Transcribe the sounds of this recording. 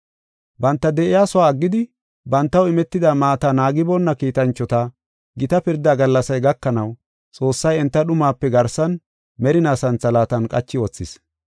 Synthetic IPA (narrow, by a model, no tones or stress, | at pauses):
bɐnt̪ːɐd̪ɛʔɪjaːsɔwaːɐɡːɪd̪ɪ | bɐnt̪ːɐwɪmɛt̪ːɪd̪amaːt̪anaːɡɪbɔnːɐkiːt̪ɐnt͡ʃːɔt̪ɐ | ɡɪt̪ɐpɪɾd̪ːaːɡɐlːɐsɐjɡɐkːɐnɐw | t͡sʼo̞ːsːɐjɛnt̪ːɐɗʊmaːpːɛɡɐɾsɐn | mɛɾɪnaːsɐnt͡sːɐlaːt̪ɐnkʼɐ̰t͡ʃːɪɔt͡sːɪs